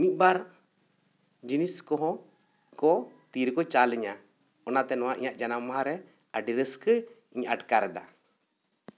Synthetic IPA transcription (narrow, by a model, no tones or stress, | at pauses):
mit̪̚baɾ | d͡ʒiniskɔɦɔ̃ | kɔt̪iɾkɔt͡ʃalɛɲa | ɔnat̪ɛnɔwaʔḭɲaʔd͡ʒanamɔɦaɾɛ | aɖiɾəskə | iɲaʈkaɾɛd̪a̰